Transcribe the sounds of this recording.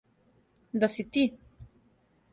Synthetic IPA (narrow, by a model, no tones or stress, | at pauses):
nd̪asit̪i